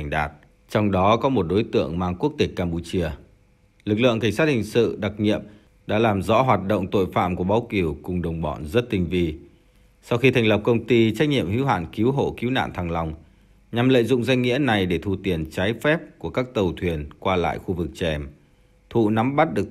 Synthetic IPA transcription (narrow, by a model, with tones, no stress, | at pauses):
ŋ̟ɗaː˨˩t̚ | t͡ɕɔ˧wŋ͡mɗɔ˨˦kɔ˨˦mo˨˩t̚ɗo˨˦jt̪ɨ̰˧˨əŋmaː˧ŋku˦˥ək̚t̪e˨˩k̚kːaː˧mpu˧t͡ɕi˧ə | lɨ˨˩k̚lɨ̰˧˨əŋka˧˩ŋ̟sa˦˥hï˨˩ŋ̟sɨ̰˧˨ɗa˨˩k̚ɲḭ˧˨əm | ɗa̰ː˧˥laː˨˩mzɔ̰˧˥ɦwaː˨˩t̚ɗo̰˧˨wŋ͡mt̪o̰˧˨jfa̰ː˧˨mku˧˩əɓaː˨˦wki˧˩əwkʊ˨˩ŋ͡mɗə˨˩wŋ͡mɓɔ̰˧˩˨nzə˦˥t̚t̪i˧ŋ̟vi˧ | sa˧wxi˧t̪ʰjŋ̟lə˨˩p̚kə˧wŋ͡mt̪i˧t͡ɕa˦˥k̟̚ɲḭ˧˨əmhḭ˧˥wɦa̰ː˧˨nki˨˦wɦo̰˧˩ki˨˦wna̰ː˧˨nt̪ʰaː˧ŋla˧wŋ͡m | ɲa˨˩mlə̰ː˧˨jzʊ̰˧˨ŋ͡mza˧jŋ̟ŋḭ˧˥əna˨˩jɗe˧˩t̪ʰu˧t̪i˨˩ənt͡ɕaː˨˦jfɛ˦˥p̚ku˧˩əkaː˦˥k̚t̪ə˨˩wt̪ʰwi˨˩ənkwaː˧la̰ː˧˨jxu˧vɨ˨˩k̚t͡ɕɛ˧˩m | t̪ʰṵ˧˨na˨˦mɓa˦˥t̚ɗɨ˨˩ək̚